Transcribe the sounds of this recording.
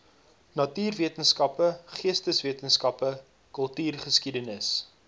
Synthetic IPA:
nɐtyːrviətənskɐpəχiəstəsviətənskɐpə | kəlˠtyːrχəskidənəs

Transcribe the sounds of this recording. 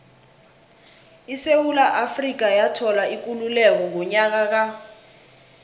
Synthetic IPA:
isewulaʔafrik̬ajatʰɔlaik̬ʼululɛk̬ɔŋʱɔɲak̬ak̬a

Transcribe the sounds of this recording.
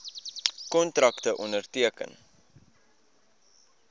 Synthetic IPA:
kɔntɾɐktəʔɔndərtiəkə̰n

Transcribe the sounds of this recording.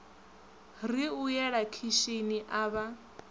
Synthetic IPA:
riujɛɺakʰiʃiniʔaːβa

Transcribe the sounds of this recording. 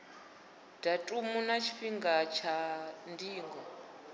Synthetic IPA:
d̥atʼumunat͡ʃʰi̥ɸiŋɡat͡ʃʰandiːŋɡɔ

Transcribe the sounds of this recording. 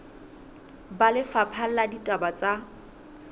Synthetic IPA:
balɪfapʰal̩laditʼabat͡sʼa

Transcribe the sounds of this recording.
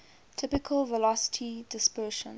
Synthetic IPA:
tʰɪpɪkʰəlvəlɔsə̥tʰidɪspɜʃə̰̃n

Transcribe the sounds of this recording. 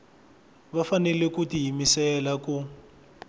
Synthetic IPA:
βafanɛlɛkutiɦimisɛlaku

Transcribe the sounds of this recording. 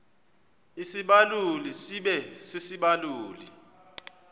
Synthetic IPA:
isiɓalulisiɓɛsisiɓaluːlḭ

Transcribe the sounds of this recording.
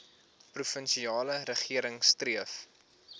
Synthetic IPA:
prufənʃiɑːləɾəχiəɾəŋstriəf

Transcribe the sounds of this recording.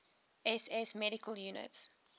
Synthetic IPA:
ɛsɛsmɛɾɪkəljunə̰ts

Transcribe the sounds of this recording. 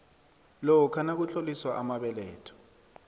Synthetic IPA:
lɔwɔkʰanak̬ut͡ɬʰoliswaʔamaɓɛlɛ̰ːtʰɔ̥

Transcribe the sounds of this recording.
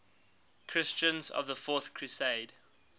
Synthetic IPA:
kʰɹ̥ɪst͡ʃə̃nzə̰vðəfɔˑθkʰɹ̥ʉseɪd̥

